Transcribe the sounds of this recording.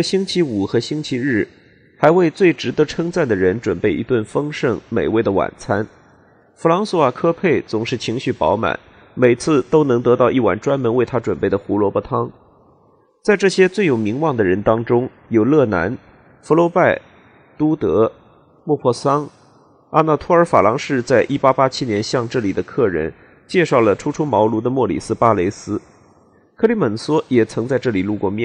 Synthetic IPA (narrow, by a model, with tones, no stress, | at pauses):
ɕi˥ŋt͡ɕʰi˧˥u˨˩xɤ˧˥ɕi˥nt͡ɕʰi˧˥ɻɻ̩˥˩ | xa˧˥ɪwe˥˧ɪt͡swe˥˩ɪʈ͡ʂɻ̩˧˥t̪ɤ˧˥ʈ͡ʂʰɤ˥ŋt͡sa˥˩nd̪ə˩ɻə˧˥nʈ͡ʂwə˨˩npe˥˩ɪḭ˧˥t̪wə˥˩nfɤ˥ŋʂɤ˥˩ŋme˨˩ɪwe˥˩ɪd̪ə˩wa̰˨˩nt͡sʰa˥n | fu˧˥lɑ˧˥ŋsɔ˧˥a˨˩kʰɤ˥pʰe˥˩ɪt͡sʊ˨˩ŋʂɻ̩˥˩t͡ɕʰi˧˥ŋɕy˥˩pɑ̰˧˥ʊma̰˨˩˦n | me˨˩ɪt͡sʰɹ̩˥˩t̪o˥ʊnɤ˧˥ŋt̪ɤ˧˥t̪ɑ˥˧ʊʔi˥˩wa̰˨˩nʈ͡ʂwa˥nmə˧˥nwe˥˩ɪt̪ʰa˥ʈ͡ʂwə˨˩npe˥˩ɪə˩xu˧˥lwɔ˧˥pɔ˥˩t̪ʰɑ˥ŋ | t͡sa˥˧ɪʈ͡ʂɤ˥˩ɕjɛ˥t͡swe˥˩ɪjo˨˩ʊmi˧˥ŋwɑ˥˩ŋd̪ə˩ɻə˧˥nt̪ɑ˥ŋʈ͡ʂʊ˥ŋ | jo˨˩ʊlɤ˥˩na̰˧˥n | fu˧˥lwɔ˧˥pa˥˩ɪ | t̪u˥t̪ɤ˧˥ | mwɔ˥˧pʰwɔ˥˩sɑ˥ŋ | a˥na˥˩t̪ʰu˥ə˞˧˥fa˨˩lɑ˧˥ŋʂɻ̩˥˧t͡sa˥˧ɪʔi˥˩pa˥pa˥t͡ɕʰi˥njɛ˧˥nɕjɑ˥˧ŋʈ͡ʂɤ˥˩li˨˩d̪ə˦kʰɤ˥˩ɻə̰˧˥n | t͡ɕjɛ˥˧ʂɑ˥˩ʊlə˩ʈ͡ʂʰu˥ʈ͡ʂʰu˥mɑ˧˥ʊlu˧˥d̪ə˧mwɔ˥˩lḭ˨˩sɹ̩˥pa˥le˧˥ɪsɹ̩˥ | kʰɤ˥˧li˧˥mə˨˩nswɔ˥jɛ˨˩t͡sʰɤ˧˥ŋt͡sa˥˧ɪʈ͡ʂɤ˥˩li˨˩lu˥˧kwɔ˥˧mjɛ˥˩